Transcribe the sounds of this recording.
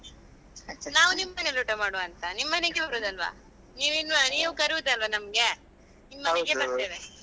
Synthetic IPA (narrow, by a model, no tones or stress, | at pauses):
naːʋunimːɐneluʈɐmaːɽoɐnt̪ɐnimːɐneɡebɐɾuːd̪ɐlʋa̰ː | niːʋinːɐniːʋukɐɾud̪ɐlʋɐnɐmɐɡe̞ | nimːɐneɡebɐɾt̪eːʋe